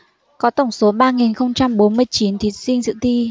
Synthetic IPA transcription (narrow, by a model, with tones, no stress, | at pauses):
kɔ˨˦t̪ə˧˩ŋ͡mso˨˦ɓaː˧ŋi˨˩nxə˧wŋ͡mt͡ɕa˧mɓo˨˦nmɨ˧əjt͡ɕi˨˦nt̪ʰi˨˦sï˧ŋ̟zɨ̰˧˨t̪i˧